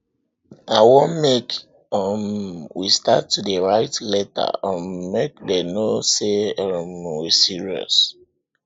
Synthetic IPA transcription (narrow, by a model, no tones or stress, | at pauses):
awɔ̃mek | ɔmwistatːudeɹaɪtlɛta̰ɔmekdenoseɔmwisiɹiɔ̰s